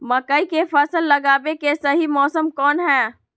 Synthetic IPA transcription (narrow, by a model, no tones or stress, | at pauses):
məkəikepʰəsəlːəɡabekesəɦimɔːsəmkɔːnɦɛː